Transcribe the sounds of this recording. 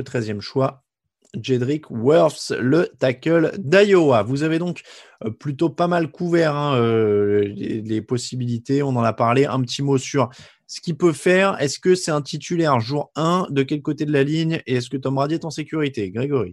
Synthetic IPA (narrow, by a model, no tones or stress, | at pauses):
ət̪χɛzjɛmʃwa | ʒed̪ʁikwœʁfslət̪akʲœld̪ajoavuzaved̪ɔ̃k | plyt̪opamalkuvɛʁɛ̃ølḛlepɔsibilit̪eɔ̃nɑ̃napaʁleʔɛ̰̃pət̪ʰimosyʁ | sə̥kʲipøfɛʁɛskʲəsɛt̪ɛ̃t̪ʰit̪ʰylɛʁʒuʁɛ̃d̪əkʲɛlkot̪ed̪əlaliɲeɛskət̪ɔmʁad̪iɛt̪ɑ̃sekʲyʁit̪eɡʁeɡɔʁḭ